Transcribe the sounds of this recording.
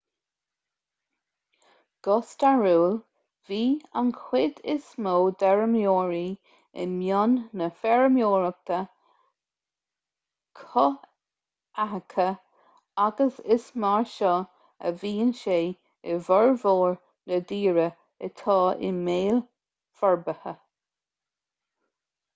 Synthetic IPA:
ɡ̥ɔst̪aɹuːl | viːa̰nkʰw̥ɪd̪ɪ̰smoːd̪ɛɹəmjoːɹi | ɪ̰nmjɔnːəfɛɹəmjoːɹək̚t̪ʰə | kʰɔ | akʰə | aɡəsɪsmaɹʃɔ | ə̰viːənʃeː | ɪvəɹvoːɹ | nəd̪iːɹə | ət̪ʰɑːʔɪ̰meːl | fɔɹbəhə

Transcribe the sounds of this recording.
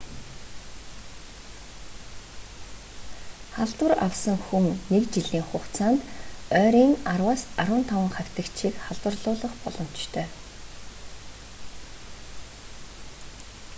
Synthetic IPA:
χaɮt̪wə̆ra̰wsə̆ŋxuŋnekt͡ɕiɮiːŋχʊkt͡sʰaːnt̪œːɾiːŋarwaːsaɾʊ̆ːnt̪ʰawə̆ŋχaw̥ʲt̪ə̆kt͡ɕʰiːkχaɮt̪wə̆rɮʊːɮɞ̆χpɔɮɞ̆m̥t͡ɕt̪ʰœː

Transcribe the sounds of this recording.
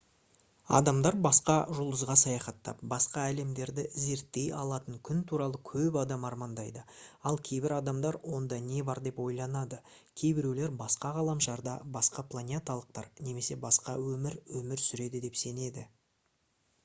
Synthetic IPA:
ɑ̰d̪ɑmd̪ɑɾbɑsqɑʒʊlˠd̪əzʁɑsɑjɑχɑt̪ːɑ̰p̚bɑsqɑæle̞md̪e̞ɾd̪ɪze̞ɾt̪ːe̞jɑ̰lˠɑt̪əŋkʲʰʏnt̪ʰuɾɑlˠəkʲʰɵpɑd̪ɑmɑɾmɑnd̪ɑjd̪əɑlˠkʲʰe̞jbɪɾɑd̪ɑmd̪ɑɾwo̞nd̪ɑne̞bɑɾd̪e̞pwo̞jlˠɑnɑd̪ə | kʲʰe̞jbɪɾewleɾbɑsqɑʁɑlˠɑmʃɑɾd̪ɑbɑsqɑplˠanʲet̪alˠəq̚t̪ɑ̰ɾne̞me̞se̞bɑsqɑwɵmɪɾwɵmɪɾsʏɾe̞d̪ɪd̪e̞pse̞ne̞d̪ɪ

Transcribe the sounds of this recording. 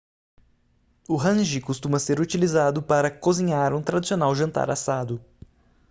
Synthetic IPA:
ʊɦɐ̃ʒɪkust̪ũmɐseɾut͡ʃilizad̪ʊpaɾɐkoziɲaɾũt̪ɾad̪isionawʒɐ̃nt̪a̰ɾa̰sad̪ʊ

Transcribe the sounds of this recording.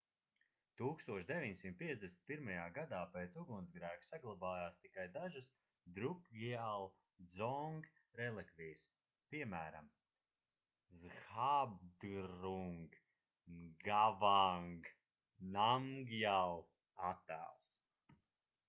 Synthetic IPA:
t̪uːkst̪uɔʃd̪evʲiɲsimt̪̚pʲiɛzd̪esnʲi̥t̪pʲiɾmajaːɡad̪aːpeːt̪suɡunzɡɾæːksaɡlˠabaːjaːst̪ikajd̪aʒɨs | d̪ɾukjalˠ | d̪zɔŋɡɾɛlˠɛkvʲijs | piɛmæːɾa̰m | zxabd̪ɾuŋɡ | ɡavaŋɡ | namɡjalˠ | at̪ːæ̰ːlˠs

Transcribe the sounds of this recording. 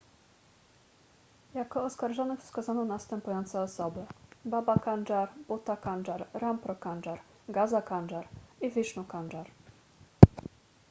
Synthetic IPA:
jakɔːskaɾʐɔnɘfskazanɔ̃w̃nast̪ɛmpujɔnt̪sɛɔsɔbɘbabakand͡ʐaɾbut̪akanɖ͡ʐaɾɾampɾɔkanɖ͡ʐaɾ | ɡazakanɖ͡ʐaɾivʲiʂnukanɖ͡ʐaɾ

